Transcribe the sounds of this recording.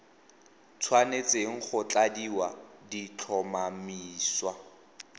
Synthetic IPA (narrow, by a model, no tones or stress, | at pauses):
t͡sʰwanet͡seŋ̩χʊt͡ɬadiwadit͡ɬʰɔmamiːswa